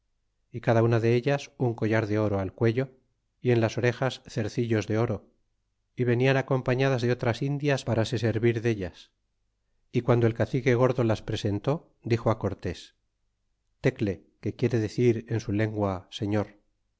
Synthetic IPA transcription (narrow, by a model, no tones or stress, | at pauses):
ikaðaunaðe̞eʎasuŋko̞ʝaɾðe̞o̞ɾoalkwe̞ʎo̞ | ie̞nlaso̞ɾe̞xasθe̞ɾθiʎo̞zðe̞o̞ɾo̞ | iβe̞nianako̞mpaɲaðazðeo̞t̪ɾasind̪jaspaɾase̞se̞ɾβiɾðe̞ʎas | ikwand̪oelkaθike̞ɣ̞o̞ɾðo̞laspɾe̞se̞nt̪o̞ | d̪ixo̞ako̞ɾt̪e̞s | t̪e̞kle̞ | ke̞kje̞ɾe̞ðe̞θiɾe̞nsule̞ŋɡwase̞ɲo̞ɾ